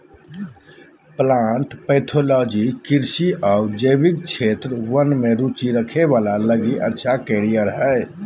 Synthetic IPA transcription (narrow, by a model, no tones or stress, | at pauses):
plaɳʈpəɪt̪ʰolɔd͡ʒikiɾsiʔaud͡ʒəjbik̚t͡ʃʰet̪ɾʋənmeɾut͡ʃiɾəkʰeβalaləɡiʔə̰tːʃʰakeɾijəɾɦəj